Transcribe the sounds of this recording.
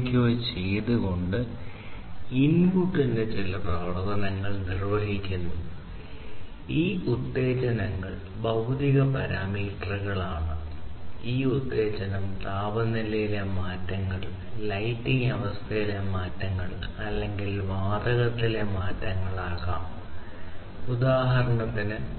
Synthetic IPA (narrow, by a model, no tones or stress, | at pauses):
kʲːot͡ɕe̞jt̪uɣo̞ɳɖɨ | inɡuʈːinde̞t͡ɕilɐprɐʋɐrɐɣɐnɐŋːɐɭnirʋɐɦikʲːunːu | iːud̪ːe̞ːt͡ɕɐnɐŋːɐɭ | bɐwt̪iɣɐpɐɾaːmiːʈrɨɣɐɭaːɳɨ | iːud̪ːe̞ːt͡ɕɐnɐmt̪aːbɐnilɐjilemaːtːɐŋːɐɭ | lɐjtːiŋɐʋɐst̪ʰɐjilemaːtːɐŋːɐɭɐlːe̞ŋɡilʋaːd̪ɐɣɐt̪ːile̞maːtːɐŋːɐɭaːɣa̰ːm | ud̪aːɦɐɾɐɳɐt̪ːinɨ